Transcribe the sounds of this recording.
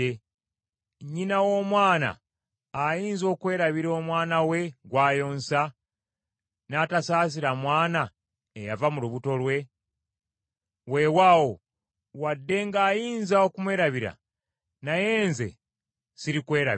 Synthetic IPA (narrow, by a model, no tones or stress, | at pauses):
e | ɲinawo̞ːmwaːna̰ː | jiːnzo̞ːkwe̞ːɾaβiɾo̞ːmwaːnawe̞ɡwaːjo̞ːnsa | naːtasaːs̬iɾamwaːna | ejavamuluβuto̞lwe̞ | we̞waːwo | wadːe̞ŋɡaːjiːnzaokumwe̞ːɾaβiɾa̰ | naje̞ːnze̞̰ | siɾikwe̞ːɾa̰